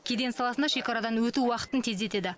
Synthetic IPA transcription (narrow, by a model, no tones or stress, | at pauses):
kʲʰe̞d̪e̞nsɑlˠɑsənd̪ɑʃe̞kɑɾad̪ɑnwɵt̪uwɑqə̥t̪ənt̪ʰe̞ze̞t̪e̞d̪ɪ